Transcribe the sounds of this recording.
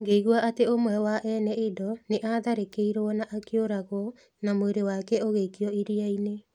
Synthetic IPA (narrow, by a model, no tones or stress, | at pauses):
ŋɡeiɣuaʔateomwɛwaʔɛnɛedɔneʔaðaɾekeiɾɔnaʔakeoɾaɣɔ | namoeɾewakɛoɣeikiɔiɾiaine